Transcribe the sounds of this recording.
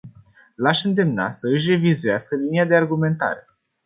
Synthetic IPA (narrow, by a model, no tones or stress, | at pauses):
laʃɨnd̪e̞mna̰səɨʃ̬re̞vizujaskəlinijad̪e̞arɡume̞nt̪a̰ɾe̞